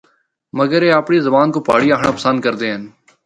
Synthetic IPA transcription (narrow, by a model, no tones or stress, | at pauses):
məɡəɾeːaːpɳiːzəbaːnkoːpaːɽiːaːkʰɳaːpəsənd̪̚kəɾd̪eːɦən